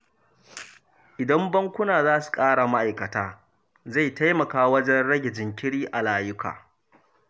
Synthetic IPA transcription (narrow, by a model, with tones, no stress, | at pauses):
ʔɪ˨dɐ˦mbɐ˦ŋkʷʊ˦naː˨zaː˦su̥˨kʼaː˦ɽa˨ma˦ʔa˨jkɐ˨taː˦ | za˦˨jta˦jmɐ˨kaː˦wɐ˦d͡ʒɛ˦nɽɐ˦ɡʲɪ˨d͡ʒɪ˨ŋkʲɪ˦ɽiː˦ʔa˨laː˦jʊ˦ka̰ː˨